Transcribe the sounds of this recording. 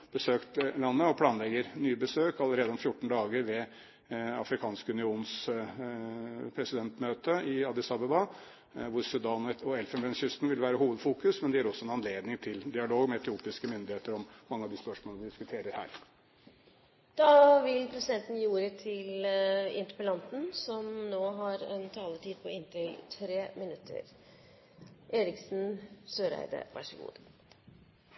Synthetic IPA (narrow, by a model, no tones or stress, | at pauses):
b̥əsøːkt̪lɑnːəɔpʰlɑːnlɛɡəɾnyːbəsøːkɑlːəɾeːd̪əɔmfjʊʈːɳ̩d̪ɑːɡəɾʋɛ | ɑ̰fɾɪkʰɑːnskəʉnɪuːns | pʰɾɛsɪd̪ɛnt̪møːt̪əɪɑd̪ɪsɑbəbɑ | ʋʊɾsʉd̪ɑːnɔɛlfɛnʋɛnçʏst̪nʋɪlʋæːɾəɦuːʋəd̪fuːkʉsmɛnd̪ɛæːɾɔsːɔɛnɑnleːd̪nɪŋt̪ʰɪld̪ɪɑloːɡmɛɛt̪ʰɪuːpɪskəmʏnd̪ɪheːt̪əɾɔmːɑŋːəɑʋd̪ɪspœʂmoːləʋɪd̪ɪskʉt̪ʰeːɾəɾhæ̰ːɾ | d̪̥ɑːʋɪlpʰɾɛsɪd̪ɛnt̪n̩jiːuːɾət̪ʰɪlɪ̰nt̪ɾəpəlɑnt̪n̩sɔmnoːɦɑɾɛnt̪ʰɑːləʈʰiːd̪̚pʰɔɪnt̪ʰɪlt̪ʰɾeːmɪnʉt̪ʰːə̰ɾ | ʔeːɾɪksn̩søːɾæ̰ɪd̪ə̰ʋʔɑ̰ʂəɡṵːd̪